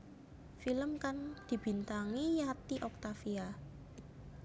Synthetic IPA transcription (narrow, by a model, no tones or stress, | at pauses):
filəmkand̪̥i̤b̥i̤nt̪aŋijat̪iʔɔk̚t̪afia